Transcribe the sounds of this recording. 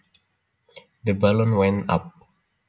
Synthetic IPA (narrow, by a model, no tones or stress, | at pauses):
dəbalə̃nwɛ̃nta̰p̚